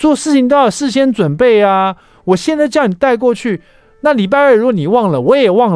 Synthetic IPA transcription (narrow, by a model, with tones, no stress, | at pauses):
t͡swɔ˥˧ʂɻ̩˥˩t͡ɕʰi˧ŋt̪ɑ˥˩ə˨˩ʂɻ̩˥˧ɕjɛ˥nt͡swə˨˩npe˥˩ɪa˧ | wɔ˨˩ɕjɛ˥˧nt͡sa˥˧ɪt͡ɕjɑ˥˩ŋni˨˩t̪a˥˧ɪk̬wɔ˥˧t͡ɕʰy˥˩ | na˥˨li˨˩p̬a˥˧ɪə˞˥˩ɻu˥ɔ˧ni˨˩wɑ˥˩ŋlə˩wɔ˨˧˦jɛ˨˩wɑ˥˩ŋ